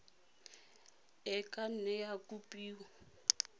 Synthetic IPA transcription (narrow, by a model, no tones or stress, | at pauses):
ɛkʼan̩nɛjakupʼiːwa